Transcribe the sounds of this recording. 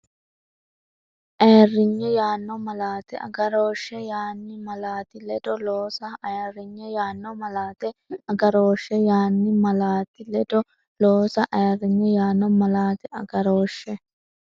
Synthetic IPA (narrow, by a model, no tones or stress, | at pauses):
ʔeːrːɪɲːɛjaːnːɔmɐlaːt̪ɛɐ̰ɡɐɾoːʃːɛjaːnːɪmɐlaːt̪ɪlɛd̪ɔloːsɐɐrːɪɲːɛjaːnːɔmɐlaːt̪ɛɐɡɐɾoːʃːɛjaːnːɪmɐlaːt̪ɪlɛd̪ɔ | loːsɐʔeːrːɪɲːɛjaːnːɔmɐlaːt̪ɛʔɐɡɐɾoːʃːɛ